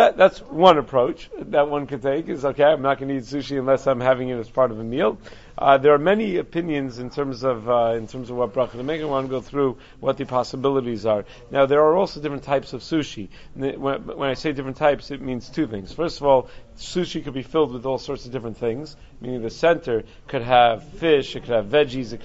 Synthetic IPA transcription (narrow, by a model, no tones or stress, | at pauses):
ðɨt̪̚ðætswʌ̃nəpʰɹ̥oʊt͡ʃðɨt̚wʌ̃nkɨd̚tʰeɪkɨzoʊkʰeɪãɪ̃mnət̚ɡ̥ʌ̃nɨitsʉʃiɨ̃nlɛsãɪ̃mɦævɪ̃ŋɨɾɨspʰɑɹɾʌvɨmilˠ | ðə˞ːmɛniɨpʰɪ̃njɨ̃nzɨ̃ntʰɜ̃˞mzʌvɪ̃ntʰɜ̃˞mzʌvwʌt̚b̥ɹʌχəɾɨmeɪkɨ̃wãnɡoʊθɹu | wʌt̪̚ðɨpʰɑsəbɪlˠəɾizə˞ | naʊðə˞ːɔlˠsoʊdɪfɹɨ̃ntʰaɪpsʌv̥sʉʃi | nwwə̃naɪseɪdɪfɹɨ̃n̩tʰaɪpsɨt̚mĩnz̥tʰʉθɪ̃ŋz̥fɜ˞stʌvɔlˠsʉʃikɨd̚bifɪlˠd̚wɨðɔlˠsɔɹtsʌvdɪfɹɨ̃nθɪ̃ŋz̥ | mĩnɪ̃ŋðɨsɛ̃ntʰə˞ | kʰɨɾəv̥fɪʃɨkʰɨd̚ɨvːɛd͡ʒizɨ